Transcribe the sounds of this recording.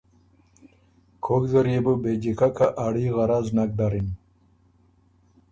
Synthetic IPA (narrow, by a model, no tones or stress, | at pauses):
kʰoɡzəɾjebəbed͡ʑikakʰaʔaɽiɣaɾaznak̚d̪aɾin